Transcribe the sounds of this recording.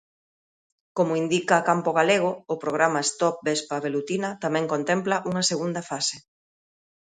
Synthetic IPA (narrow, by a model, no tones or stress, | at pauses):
komʊind̪ikɐkampoɣaleɣ̞ʊʊpɾoɣ̞ɾamaest̪ɔp̚bespaβelut̪inɐt̪amɛ̃ŋkont̪emplaʔuŋɐseɣund̪ɐfase